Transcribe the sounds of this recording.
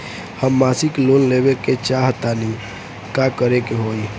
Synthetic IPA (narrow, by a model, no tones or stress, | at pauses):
həmːasiklonlebeket͡ʃaɦt̪ani | kakəɾekeɦoi